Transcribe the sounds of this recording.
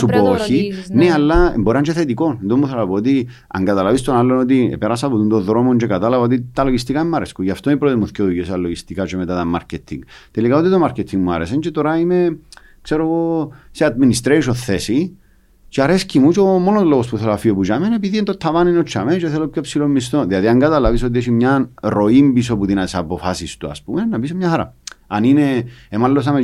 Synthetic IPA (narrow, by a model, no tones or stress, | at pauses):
supoinealːa̰mboɾant͡ʃeθet̪ikonnd̪omːuθelapoːt̪i | a̰ŋɡat̪alavist̪onalːonot̪̬iḛpeɾasaput̪und̪oðɾomont͡ʃekat̪alavaot̪it̪aloʝis̬t̪ikaemːaɾeskujaft̪oipɾot̪emuθkoðujesaloɣist̪ikat͡ʃemet̪at̪amːa̰ɾceɛt̪ʰːḭŋɡt̪elikaot̪it̪omaɾket̪ʰːiŋɡmua̰ɾesent͡ʃet̪oɾaime | kseɾoɣosead̪̚minist̪ɾeiʃ̬oθːesi | t͡ʃeaɾescimut͡ʃomonozloɣospuθelafioput͡ʃamenepiðient̪ot̪ʰːavaninot͡ʃʰːament͡ʃeθelopçopsilomːist̪onðiaðiaŋɡat̪alavis̬ot̪ieʃimɲanɾo̞imbiso̞puðinat̪isapofasist̪ua̰spumenːapis̬omɲaxaɾa̰anineemalːos̬ame